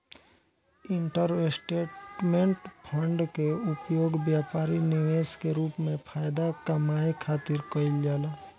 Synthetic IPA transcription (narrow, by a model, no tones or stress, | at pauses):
ɪɳʈəɾesʈeːʈmẽɳʈpʰə̃ɳɖkeʊpjoːɡbjaːpaːɾinɪʋeːskeɾuːpmẽpʰaːjd̪akəmaːekʰaːt̪ɪɾkəɪld͡ʒaːlaː